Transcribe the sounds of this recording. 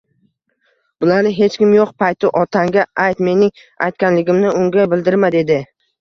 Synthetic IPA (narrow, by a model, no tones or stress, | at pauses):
b̥ʊlaɾnɪɦe̞t͡ʃkʲɪmjoqpʰajt̪ʰɪʔɒt̪ʰaŋɡʲaʔajt̪me̞nɪŋ | a̰jt̪̚kʲanlɪɡʲɪmnɪʊŋɡʲabɪld̪ɪɾmad̪e̞d̪ɪ